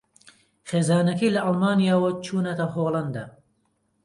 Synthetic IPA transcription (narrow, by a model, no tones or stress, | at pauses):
χeːzaːnɐkɐjlɐʔɐlˠmaːnijaːwɐt͡ʃʰuːnɐt̪ɐɦoːlˠɐnd̪ɐ̰